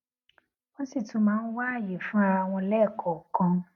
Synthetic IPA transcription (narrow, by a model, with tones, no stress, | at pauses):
wɔ̃˦si˦˨tũ˨˦mãː˨˦n̩˦wa˦a˦˨je˨fũ˦a˧w̃ɔ̃˧lɛː˦˨kʰɔ˨kã˧